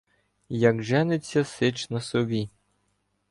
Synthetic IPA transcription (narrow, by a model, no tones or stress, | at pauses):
jɐkʒɛnɪt͡sʲːɐsɪt͡ʃnɐsɔbʲi